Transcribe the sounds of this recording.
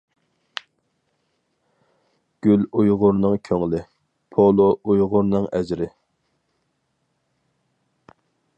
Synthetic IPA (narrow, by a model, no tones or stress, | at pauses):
ɡ̥ʲylujʁʊɾnɨŋkʲʰøŋlɪ | pʰolˠoujʁʊɾnɨŋɛzɾɪ